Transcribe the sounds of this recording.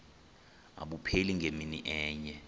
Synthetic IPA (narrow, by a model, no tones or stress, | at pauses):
a̰ɓupʰeliŋʱeminiʔɛːɲɛ